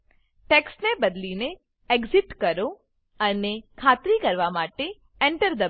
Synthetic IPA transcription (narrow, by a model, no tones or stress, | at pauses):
ʈɛksnebəd̪line | eɡzɪʈkəɾo | ənekʰat̪ɾikəɾʋamaʈe | ɛɳʈəɾd̪ə